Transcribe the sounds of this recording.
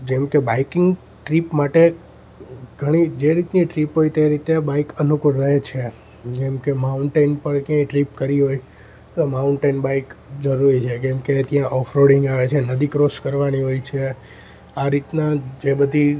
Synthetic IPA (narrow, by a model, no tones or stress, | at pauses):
d͡ʒɛmkebaikɪŋɡ | ʈɾipmaʈe | ɡʱəɽ̃id͡ʒeɾit̪niʈɾipɦojt̪eɾit̪ebaikənukuɾːəɦet͡ʃʰe | d͡ʒɛmkemauɳʈenpəɾkjãĩʈɾipkəɾiɦoj | t̪omauɳʈenbaikd͡ʒəɾuɾit͡ʃʰekɛmket̪jãʔɔfʰɾoɽɪŋɡaʋet͡ʃʰenəd̪ikɾoʃkəɾʋaniɦojt͡ʃʰe | aɾit̪nad͡ʒebəd̪ʱi